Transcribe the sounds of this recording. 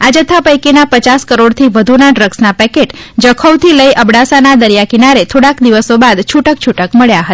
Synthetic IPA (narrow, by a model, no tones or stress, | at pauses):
ad͡ʒət̪ʰapəjkinapət͡ʃaskəɾoɽt̪ʰiʋəd̪ʱunaɖɾəɡsnapɛkeʈd͡ʒəkʰowt̪ʰiləiʔəbɽasanad̪əɾjakinaɾet̪ʰoɽakd̪iʋəsobad̪t͡ʃʰuʈək̚t͡ʃʰuʈəkməɭjaɦət̪a